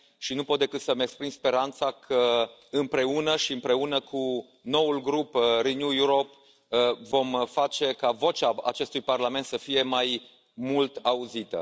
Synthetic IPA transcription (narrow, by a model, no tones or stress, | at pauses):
ʃinupo̞t̪̚d̪ekɨt̪səmekspɾimspe̞ɾant̪sakʰəɨmpɾe̞unəʃiɨmpɾe̞unəkʰu | no̞ulɡɾupɾinjujuɾop | vo̞mfat͡ʃe̞kavo̞t͡ʃaa̰t͡ʃe̞st̪ujparlament̪səfije̞maj | mult̪auzit̪ə̰